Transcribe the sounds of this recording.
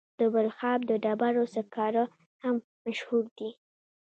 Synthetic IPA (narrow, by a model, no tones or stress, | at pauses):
d̪̥əbalxɑb̚d̪əɖabaɾosəkɑɾə | ham | maʃhuɾd̪i